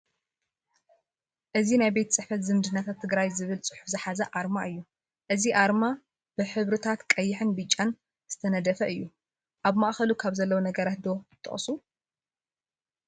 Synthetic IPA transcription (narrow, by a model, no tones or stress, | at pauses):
ʔɨzinajbet̪ʰt͡sʼɨħfɐt̪zɨnd̪ɨnːat̪ʰat̪ʰːɨɡɾajzɨβɨlt͡sʼɨ̥ħufzɨħazɐʔaɾmaʔɨjːu | ʔɨziʔaɾma | b̥ɨħɨβɾɨt̪ʰat̪kʼɐjːɪħɨnbɨt͡ʃʼːan | z̥ɨt̪ʰɐnɐd̪ɐfɐʔɨjːu | ʔaβmaʔxɐlukʰaβzɐlːɐwonɐɡɐɾat̪̚d̪o̞ɨt̪ʰʼːɨ̰χʼsu